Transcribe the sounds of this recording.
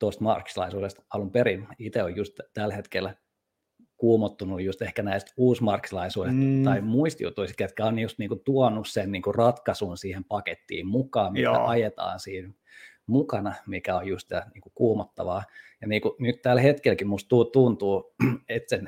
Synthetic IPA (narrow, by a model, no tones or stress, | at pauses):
t̪ost̪mɑrksilɑ̰isuːdest̪ɑlumperiit̪eojjust̪t̪ælhet̪kel | kuːmot̪ːunujjust̪ehkænæist̪uːsmɑrkːsilɑisuːdest̪t̪ɑimuist̪jṵt̪ːuist̪ket̪kæonjust̪niːŋkut̪uɔnussenniːŋkurɑt̪kɑsunsiːhempɑket̪ːḭːmmukɑːmmitːæ̰ʔɑjet̪ɑ̰ːnsiːn | mukɑnɑmikæojjust̪ɑniːŋkukuːmot̪ːɑ̰ʋɑːjɑniːkunyt̪t̪ælhet̪kelkimust̪t̪ut̪unt̪uːet̪sen